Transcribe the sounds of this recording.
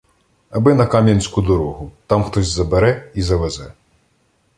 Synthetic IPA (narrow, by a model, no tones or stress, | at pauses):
ɐbɪnɐkamʲjɛnʲsʲkud̪ɔɾɔɦʊt̪amxt̪ɔzʲzɐbɛɾɛizɐʋɛzɛ